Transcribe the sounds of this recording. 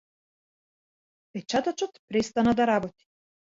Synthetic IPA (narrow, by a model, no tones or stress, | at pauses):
pɛt͡ʃat̪at͡ʃɔt̪pɾɛst̪anad̪aɾabɔt̪i̥